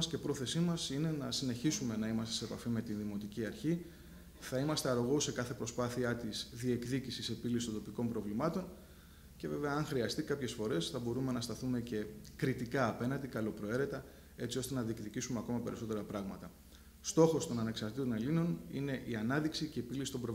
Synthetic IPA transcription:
sce̞pɾo̞θe̞simɐsine̞nɐsine̞çisume̞nɐimɐst̪eseepɐfime̞t̪inðimo̞t̪iciɐɾçi | θɐimɐst̪e̞ɐɾoɣose̞kɐθe̞pɾo̞spɐθiɐt̪izðie̞kðicisise̞pilisist̪ond̪o̞piko̞mpɾo̞vlimɐt̪o̞n | ce̞ve̞ve̞ɐːŋxɾiɐst̪ikɐpçe̞sfo̞ɾe̞sθɐbo̞ɾume̞nɐst̪ɐθume̞ce̞kɾit̪ikɐːpe̞nɐnd̪ikɐlo̞pɾo̞e̞ɾe̞t̪ɐ | e̞t͡sio̞st̪e̞nɐðiekðicisumeɐko̞mɐpe̞ɾiso̞t̪e̞ɾɐpɾɐɣmɐt̪ɐ | st̪o̞xo̞st̪o̞nɐne̞ksɐɾt̪it̪o̞ne̞lino̞nḭne̞ʔiɐnɐðiksicepilisi̥t̪o̞mbɾov

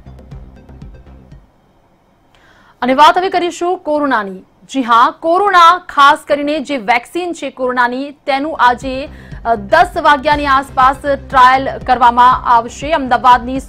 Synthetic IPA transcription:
əneʋat̪ɦəʋikəɾiʃũkoɾonani | d͡ʒiɦãkoɾonakʰaskəɾined͡ʒeʋɛksint͡ʃʰekoɾonanit̪enũʔad͡ʒe | d̪əsʋaɡjaniaspasʈɾajəlkəɾʋamãʔaʋʃeəmd̪aʋad̪nis

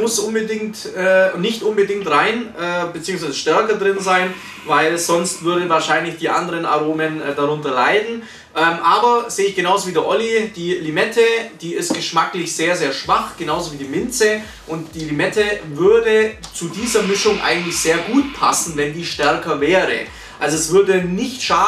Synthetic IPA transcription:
mʊsʔʊnbədɪŋtɛːnɪçtʔʊnbədɪŋktʁaɪnʔɛːbet͡siːʊŋsvaɪz̥əʃtɛɐkɐdʁɪnzaɪn | vaɪlz̥ɔnstv̥ʏɐdəvaːɐʃaɪnlɪçd̥iːʔa̰ndəʁəna̰ʁoːməndaʁʊntɐlaɪdn̩ | ʔɛːmʔaːbɐz̥eːɪçɡ̥ənaʊzoviːdiʔɔlid̥iːlimɛtʰəd̥iːɪst̚ɡ̥əʃmaklɪçz̥eːɐzeːɐʃv̥aχɡ̥enaʊzoviːdiːmɪnt͡sə | ʔʊntd̥iːlimɛtəvʏɐdət͡sudiːzɐmɪʃʊŋʔa̰ɪɡŋ̩tlɪçz̥eːɐɡuːt̚pʰa̰sn̩vɛndiːʃtɛɐkɐvɛːʁə̰ | ʔalzoɛsv̥ʏɐdənɪçtʃaː

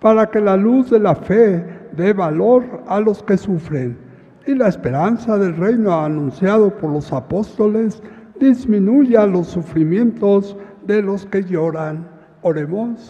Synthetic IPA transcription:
paɾake̞laluzðe̞lafeðe̞βalo̞ɾalo̞ske̞sufɾe̞n | ilaespe̞ɾansaðe̞lrejnoanũnsjaðo̞po̞ɾlo̞sapo̞st̪o̞le̞zd̪izmĩnuʝalo̞sːufɾimje̞nt̪o̞zðe̞lo̞ske̞ʝo̞ɾan | oɾemons

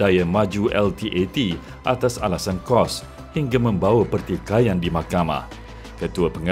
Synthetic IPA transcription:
d̥ajamãd͡ʒuʔɛlt̪iʔet̪i | ʔat̪asa̰lasankɔs | hiŋɡamə̃mbawapərt̪ikajandimakamã̰ | kət̪uapəŋ

